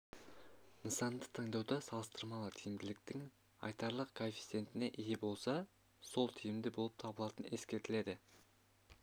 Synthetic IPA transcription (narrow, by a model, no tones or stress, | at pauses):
nəsɑnd̪ət̪ʰɑŋd̪ɑwd̪əsɑlˠəst̪əɾmɑlˠət̪ʰijɪmd̪ɪlɪk̚t̪ɪŋ | ɑ̰jt̪ɑɾlˠəqkʰonfʲi̥t̪se̞nt̪ɪne̞ʔijebo̞lˠsɑ | so̞lˠt̪ʰijɪmd̪ɪbo̞lˠəp̚t̪ʰɑbəlˠɑt̪əne̞skʲe̞ɾt̪ɪle̞d̪ɪ